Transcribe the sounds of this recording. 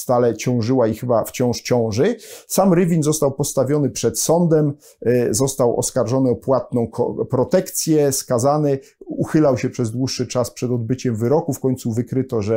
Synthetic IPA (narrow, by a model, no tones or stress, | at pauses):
st̪alɛt͡ɕɔ̃w̃ʐɘwaixɘbaft͡ɕɔ̃w̃ʂt͡ɕɔ̃w̃ʐɘsamɾɘvʲinzɔst̪awpɔst̪avʲjɔn̪ɘpʂɛt̪sɔnd̪ɛm | zɔst̪awɔ̰skaɾʐɔnɘɔpwat̪̚nɔ̃w̃kɔ̰pɾɔt̪ɛkt̪sʲjɛskazanɛ | uxɘlawɕɛpʂɛzd̪wuʂːɘt͡ʂaspʂɛd̪ɔd̪̚bɘt͡ɕɛmvɘɾɔkufkɔɲʲt̪suvɘkɾɘt̪ɔʐɛ